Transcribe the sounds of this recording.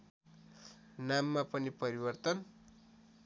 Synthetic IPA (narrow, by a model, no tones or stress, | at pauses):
namːapʌnipʌɾibʌrt̪ʌn